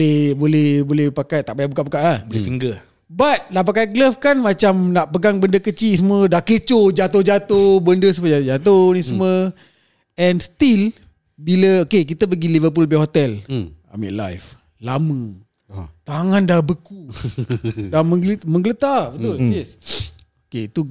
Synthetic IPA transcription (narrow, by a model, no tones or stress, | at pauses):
ɛhbolɛhbolɛhpakajt̪aʔbajaʔbukaʔpəkaʔlahbolefiŋɡə | bat̪̚nap̬akajɡləfkanmat͡ʃamnaʔpəɡaŋbəndəkət͡ʃisəmədahkət͡ʃod͡ʒat̪ohd͡ʒat̪obəndəs̬əməad͡ʒat̪ohnisəmə | ɛnst̪il | biləokek̬it̪əpəɡilivəp̬ulbihot̪ɛla̰mḭʔla̰jf | lamə | t̪aŋandahbəku | daməŋlməŋɡələt̪abət̪ulis | okeit̪u